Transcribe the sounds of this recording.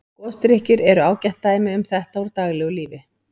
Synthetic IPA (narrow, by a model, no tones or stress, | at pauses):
kɔst̪ɾɪhcɪɾɛɾʏaːwcɛht̪ːaːjmɪʏmθɛht̪aɔɾt̪aːɣlɛɣʏliːvɪ